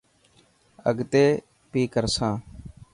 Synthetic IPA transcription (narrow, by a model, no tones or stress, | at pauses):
ə̰ɡt̪eː | piːkəɾsãː